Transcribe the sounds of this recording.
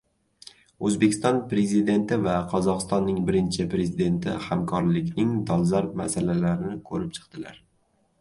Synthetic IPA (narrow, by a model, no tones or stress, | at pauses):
ɵzbe̞kʲʰɪ̥st̪ɒnpɾe̞zid̪e̞nt̪ɪvaqʰɒzɒqɨ̥st̪ɒnːɪŋbɪɾɪnt͡ʃʰɪpɾe̞zid̪e̞nt̪ʰɪ̰hamkʰɒɾlɪkʲnɪŋd̪ɒlˠzaɾmasalalaɾɪnɪkʰɵɾɪp̚t͡ʃʰɨ̥qd̪ɪla̰ɾ